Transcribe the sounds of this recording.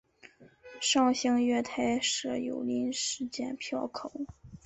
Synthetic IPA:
ʂɑ˥˧ŋɕi˥ŋɥɛ˥˧t̪ʰa˥˩ɪʂɤ˥jo̰˨˩ʊli˥nʂɻ̩˥t͡ɕjɛ̰˥˧npʰjɑ˥˩ʊkʰo˨˩˦

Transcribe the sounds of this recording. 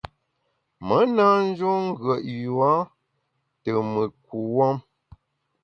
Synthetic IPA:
mə˨˦na˦n̩˦d͡ʒo˦ŋ̩˦ɡɥə˨ʔju˨a˨˦ | tə˨mə˨k̚u˨wɔ˦m

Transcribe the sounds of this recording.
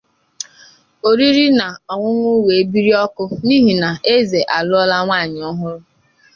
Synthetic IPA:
o˨ɾi˦ɾi˦na˨ɔ˨ŋʷʊ˦ŋʷʊ˦we˨e˦bi˦ɾi˦ɔ˦kʊ˦ni˦ɦi˨na˨e˦ze˨ʔa˨lʊ˦ɔ˦la˦ŋʷa˦˨ɲɪ˨ɔ˦ɦʊ˦ɾʊ˦

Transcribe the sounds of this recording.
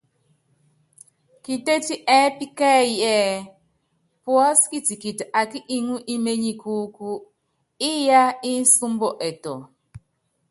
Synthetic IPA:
ki˨te˦ti˦ʔɛ˦pi˦kɛ˦jɛ˦ | pwɔ˦ski˦ti˨ki˨ta˨ki˦ʔi˦ŋu˦ʔi˦me˦ɲi˨kʰu˦ku˦ | i˦ja˦i˦n̩˦su˦mbɔ˨ʔɛ˨tɔ̰˨

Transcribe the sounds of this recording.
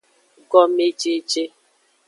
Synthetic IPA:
ɡɔ˦me˦t͡ʃe˦t͡ʃe˦

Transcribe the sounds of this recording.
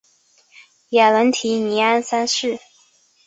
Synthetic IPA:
ja˨˩lə˧˥nt̪ʰi˧˥ni˧˥a˥nsa˥nʂɻ̩˥˩

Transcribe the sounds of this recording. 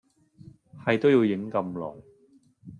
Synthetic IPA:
hɐ˨jt̪o˥wjiː˧wjɪ˨˥ŋkɐ˧mlɔ̰ː˨˩ŋ

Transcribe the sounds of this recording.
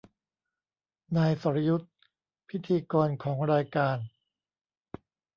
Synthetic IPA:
naː˧jsɔ˩˦ɾa˦ju˦˥t̪̚ | pʰi˦˥t̪ʰiː˧kɔː˧nkʰɔː˩˦ŋɾaː˧jkaː˧n

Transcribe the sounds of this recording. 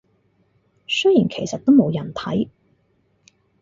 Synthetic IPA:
sɵ˥jiː˨˩nkʰe˨˩jsɐ˨t̚t̪o˥wmo˨˧wjɐ˨˩nt̪ʰɐ̰˨˥j

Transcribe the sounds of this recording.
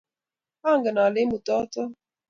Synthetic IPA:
a˦˨ŋɡɛ˨na˨lɪ˦mu˨tɔ˦tɔ˦

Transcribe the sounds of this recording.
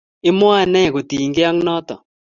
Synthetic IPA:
ɪ˦mɔ˦a˦nɛ˦˨ɡo˨t̪i˨ŋɡɪ˦a˦ŋnɔ˦t̪ɔ̰˨

